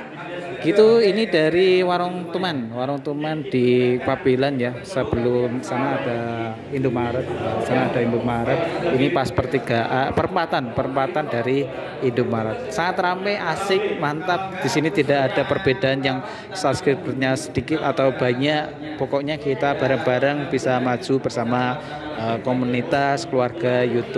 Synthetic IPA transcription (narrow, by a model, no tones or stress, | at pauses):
ɡ̥it̪uinidaɾiwaɾʊŋt̪umanwaɾʊŋt̪umand̥ipapilanjasəb̥əlʊmsanaːd̥a | indʊmaɾət̪̚batsanaːdaindʊmaɾət̪̚inipaspərt̪iɡaʔpəɾəmpat̪anpəɾəmpat̪andaɾiː | ndʊp̚maɾat̪̚saŋat̪ːɾampɛʔasɪk̚mant̪ap̚d̥isinit̪idakad̥apərb̥edaanjaŋ | sapskɾip̚t̪ərɲasədikɪt̪at̪awbaɲaʔ | pɔkɔʔɲakit̪ab̥aɾaŋb̥aɾaŋb̥isamḁd͡ʒ̥ub̥ərsama | əkomunit̪askəluarɡ̥ajut̪ʊ